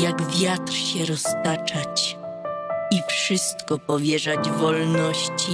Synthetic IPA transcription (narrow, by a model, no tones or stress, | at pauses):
jaɡvʲjat̪ɾɕɛɾɔst̪at͡ʂat͡ɕ | ifʂɘst̪kɔpɔvʲjɛʐad͡ʑvɔlnɔɕt͡ɕi